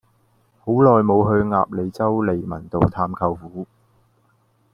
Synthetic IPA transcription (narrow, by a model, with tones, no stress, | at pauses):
ho˨˥wlɔː˨jmo˨˧wɦɵ˧ɥŋa̰ː˧p̚le˨˧jt͡sɐ˥wle˨jmɐ̰˨˩nt̪o˨wt̪ʰaː˧mkʰɐ˧wfuː˨˥